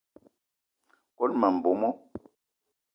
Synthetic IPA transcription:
kɔ˦lma˨m̩˨bo˨˦mɔ˦

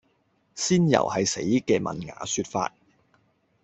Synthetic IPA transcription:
siː˥njɐ̰˨˩whɐ˨jse˨˥jkɛː˧mɐ̰˨nŋa̰ː˨˥syː˧t̚fa̰ː˧t̚

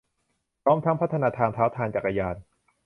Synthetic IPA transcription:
pʰɾɔː˦˥mt̪ʰa˦˥ŋpʰa˦˥t̪ʰːa˧naː˧t̪ʰaː˧ŋt̪ʰaː˦˥wt̪ʰaː˧nt͡ɕa˨˩k̚ʔa˧jaː˧n

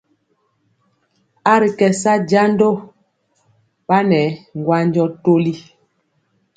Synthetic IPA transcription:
a˦ɾi˨kɛ˨sa˦d͡ʒa˦ndo˦ | ɓa˦nɛ˨˦ŋ˨ɡwa˦ɲd͡ʒɔ˦to˦li˦

